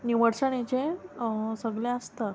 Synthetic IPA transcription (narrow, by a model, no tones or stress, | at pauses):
niʋəɽʂəɽ̃et͡ɕe | səɡlẽəst̪ə